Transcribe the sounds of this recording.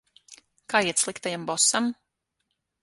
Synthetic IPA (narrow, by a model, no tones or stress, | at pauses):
kaːiɛt̪slˠikt̪ajambɔsam